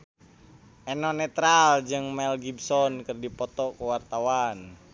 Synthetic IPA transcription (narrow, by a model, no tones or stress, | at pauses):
ʔɛnɔnɛt̪ɾald͡ʒɨŋmɛlɡibsɔnkɨrdipɔt̪ɔkuwart̪awan